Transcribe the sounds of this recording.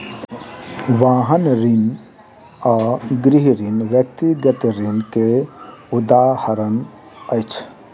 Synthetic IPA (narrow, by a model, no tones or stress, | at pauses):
ʋaːɦənɾin | aːɡɾiɦɾinʋjək̚t̪iɡət̪ɾinkeud̪ahəɾən | əjt͡ʃʰ